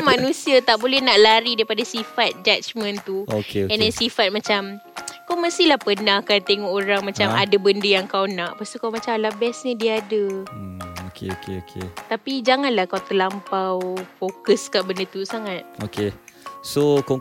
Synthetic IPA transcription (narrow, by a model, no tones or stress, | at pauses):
manũsiat̪aʔbolɛnaʔlaɾidaɾipadasifat̪̚d͡ʒat͡ʃmə̃nt̪uokeɛndɛnsifat̪̚mat͡ʃamkawməst̪ilahpənãhkant̪eŋɔʔoɾaŋmãt͡ʃamadabəndəjaŋkawnaʔpast̪ukawmãt͡ʃamlabɛsɲədiaadə | okʰḛokḛokʰḛt̪apid͡ʒaŋanlahkawt̪əlampawfokəskaʔbəndət̪usaŋat̪̚okesoko